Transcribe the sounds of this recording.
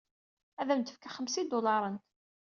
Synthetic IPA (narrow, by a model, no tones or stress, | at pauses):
æðæmt̪əfkaχəmsid̪ʊlɑɾˤən